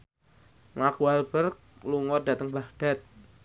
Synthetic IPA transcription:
makualb̥ərk̚luŋɔda̤t̪əŋbahd̥a̤t̪̚

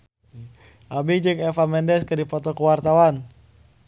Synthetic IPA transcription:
ʔabid͡ʒəkɛfamɛndɛskədipɔt̪ɔkəwart̪awan

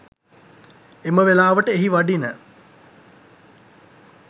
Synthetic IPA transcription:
eməʋelaːʋəʈəeɦiʋaɖinə

